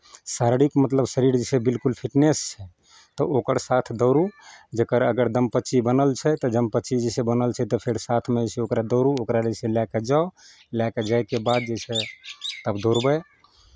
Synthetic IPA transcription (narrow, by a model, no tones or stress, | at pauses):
saɾɽikmət̪ləbsəɾiɾd͡ʒɛsebilkulpʰiʈnest͡ʃʰɛ | t̪ɔokəɾsat̪ʰd̪əʊɾud͡ʒekəɾə̰ɡəɾd̪əmpətːt͡ʃibənəlt͡ʃʰɛt̪ɔd͡ʒəmpətːt͡ʃʰid͡ʒɛsebənəlt͡ʃʰɛt̪ɔpʰeɾsat̪ʰmeseokɾad̪əʊɾuokɾad͡ʒeselaked͡ʒao | laked͡ʒajkebad̪̚d͡ʒəset̪əbd̪ʱoɾbəj